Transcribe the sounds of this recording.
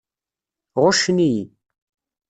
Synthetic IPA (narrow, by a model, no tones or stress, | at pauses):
ʁʊʃniji